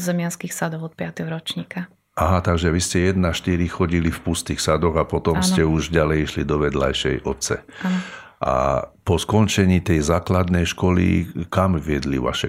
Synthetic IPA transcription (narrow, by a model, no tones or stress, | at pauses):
zɛmɪanskixsad̪ɔʊɔt̪̚pɪat̪ɛɦɔɾɔt͡ʃɲiːka | ʔaɦat̪aɡʒɛʋiscɛjɛd̪naʃt̪iɾixɔɟilifpust̪ixsad̪ɔɣapɔt̪ɔmstɛuʒɟalɛjiʃlid̪ɔʋɛd̪la̰jʃɛjʔɔt̪t͡sɛ̰a | ʔa̰pɔskɔnt͡ʃɛɲiːt̪ɛjzaːklad̪nɛjʃkɔlḭkamʋɪɛd̪lḭʋa̰ʃɛ